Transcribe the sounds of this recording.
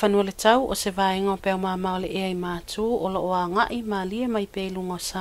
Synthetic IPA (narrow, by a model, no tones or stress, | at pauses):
fanualetawʔosevaːeŋaopeawmaːmaoleʔeajmaːtuːʔoloʔoaːŋaʔimaːliemajpejluŋosa